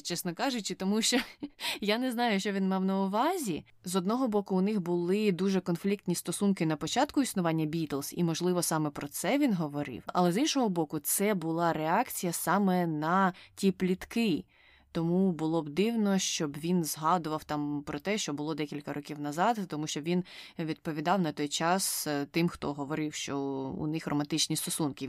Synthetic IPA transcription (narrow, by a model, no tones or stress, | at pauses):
t͡ʃɛsnɔkɑʒʊt͡ʃɪt̪ɔmuʃt͡ʃɔjanɛznɑjʊʃt͡ʃɔʋʲinmɑwnɐʊʋɑzʲi | zɔd̪nɔɦɔbɔkʊːnɪxbʊlˠɪd̪uʒɛkɔnflʲik̚t̪nʲist̪ɔsunkɪnɐpɔt͡ʃɑt̪kʊisnʊʋɑnʲːɐbʲit̪lˠsḭmɔʒlˠɪʋɔsɑmɛpɾɔt̪sɛʋʲinɦɔʋɔɾɪ̰wɐ̰lˠɛzinʃɔɦɔbɔkʊt̪sɛbʊlˠɑɾeɑkt͡sʲijɐsɑmɛnɐtʲiplʲit̪kɪ | t̪ɔmubʊlˠɔbd̪ɪwnɔʃt͡ʃɔbʋʲinzɦɑd̪ʊʋɐwt̪ɑmpɾɔt̪ɛʃt͡ʃɔbʊlˠɔd̪ɛkʲilʲkɐɾɔkʲiwnɐzɑt̪ːɔmuʃt͡ʃɔbʋʲinʋʲid̪̚pɔʋʲid̪ɑwnɐt̪ɔjt͡ʃɑst̪ɪmxt̪ɔ̰ɦɔʋɔɾɪwʃt͡ʃɔṵnɪxrɔmɐnt̪ɪt͡ʃnʲist̪ɔsunkɪ